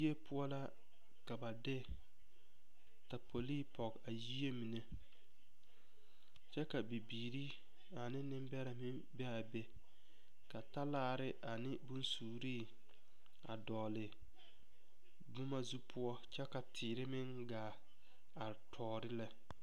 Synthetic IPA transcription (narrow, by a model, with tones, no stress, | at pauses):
e˦pʰʊ˦ɔ˦la˦ | ka˨ba˨dɪ˦ | ta˨pʰo˨liː˦pɔ˨ka˨ji˦e˦mi˨ne˦ | t͡ʃɛ˦ka˨bi˨biː˨ɾi˦ | a˨nɪ˦nɪ˦mbɛ˦ɾa˨mɪ˦n | bɛ˦a˨bɛ˦ | ka˨ta˦laː˦˨ɾɪ˦ʔa˨nɪ˦bʊ˦nsuː˨ɾiː˦ | a̰˨dɔː˨lɪ˨ | bʊ˦ma˦zu˦pʰʊ˦ɔ˦t͡ʃɛ˦ka˨tʰɪː˨ɾɪ˦mɪ˦ŋ | ɡaː˨ | a˨tʰɔː˨ɾɪ˦la˦